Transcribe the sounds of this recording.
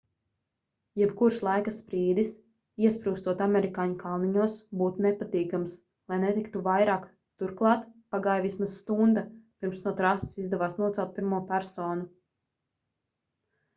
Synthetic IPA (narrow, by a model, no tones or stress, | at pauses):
jɛbkuɾʃlˠajkasːpɾiːd̪is | iɛspɾuːst̪uɔt̪amɛɾikaːɲkalˠniɲuɔsbuːt̪unɛpat̪iːkams | lˠajnet̪ikt̪uvajɾaːk | t̪uɾklˠɑːt̪paɡaːjvismaz̥st̪und̪apiɾmsnuɔt̪ɾasi̥sizd̪ɛvaːsnuɔt̪ɛlˠt̪̚piɾmuɔpʲæɾsoːnu